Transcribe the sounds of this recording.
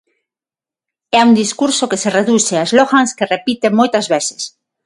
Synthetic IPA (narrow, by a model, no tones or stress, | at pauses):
ɛund̪iskuɾsokesereðuseaezloɣaŋskerepit̪emojt̪ɐzβese̥s